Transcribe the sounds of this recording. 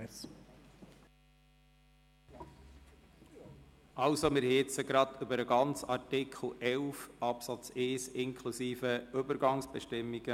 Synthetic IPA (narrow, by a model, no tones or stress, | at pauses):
ɑlsomɪɾhɪt͡səɡɾɑd̪ʏbəɾəɡɑnt͡sɑrtɪkʰl̩ʔɛlfɑpsɑt͡seːsɪŋkʰlusiːfəʏbəɾɡɑŋsb̥ɛʃtɪmːiɡ̥ə